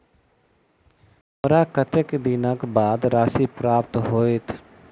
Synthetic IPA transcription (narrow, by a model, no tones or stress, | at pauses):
mɐɾaːkət̪ekd̪inakbaːd̪ɾaːsipɾaːpt̪ɦoːet̪ʰ